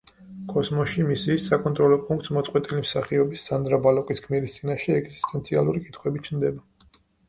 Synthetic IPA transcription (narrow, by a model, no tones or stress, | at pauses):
kʼɔsmɔʃimisiːsːakʼɔnt̪ʼɾɔlɔpʼunk̚ʼt̪smɔt̪sʼqwɛt̪ʼilimsaχiɔbisːand̪ɾabalɔkʼiskʰmiɾist̪sʼinaʃɛɛɡzist̪ʼɛnt̪sʰialˠuɾikʼit̪ʰχwɛbit͡ʃʰnd̪ɛba